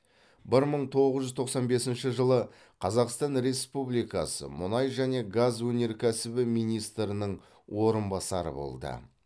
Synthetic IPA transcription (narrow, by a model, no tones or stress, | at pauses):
bɪɾməɴt̪ʰo̞ʁəzʒʏzt̪ʰo̞qsɑnbe̞sɪnʃɪʒəlˠə | qʰɑzɑqst̪ɑnɾe̞spublijkɑsə̰mʊnɑjʒæne̞ɡazwɵne̞ɾkʲʰæsɪbɪmijnijst̪ɾənəɴ | wʔo̞ɾənbɑsɑɾə̰bo̰lˠd̪ə̰